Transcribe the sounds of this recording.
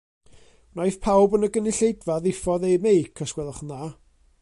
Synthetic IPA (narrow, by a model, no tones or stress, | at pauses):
najθpʰawbənəɡənɪɬejdvaðɪfɔðejmejkʰəskwɛlˠəχnaː